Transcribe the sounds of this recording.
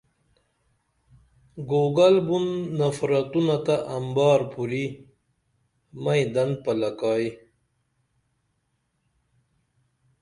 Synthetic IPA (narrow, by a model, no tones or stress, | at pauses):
ɡoɡalbunːafɾat̪unat̪aʔambɑːɾpuɾi | majd̪and̪̚palakɑːj